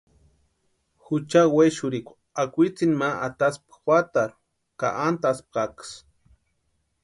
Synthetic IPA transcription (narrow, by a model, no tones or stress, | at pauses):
xut͡ʃaweʃʊɾikʷ | akʷit͡sinmaʔat̪aspxʷwʷat̪aɾ | ka̰ʔant̪asp̚qaks